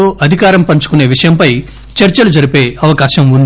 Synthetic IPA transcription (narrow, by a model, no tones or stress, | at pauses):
oːʔɐd̪ʱikaːɾɐmpɐɲt͡ʃu̥kune̞ːʋiʂɐjɐmpɐj | t͡ʃɐɾt͡ʃɐlud͡ʒɐɾipe̞ːʔɐʋɐkaːʃɐmund̪